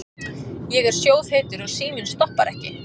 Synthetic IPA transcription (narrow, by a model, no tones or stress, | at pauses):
jɛɣɛɾ̥sjoːwð̥heːt̪ʏɾɔɣsiːmɪnst̪ɔhpaɾɛ̰hcɪ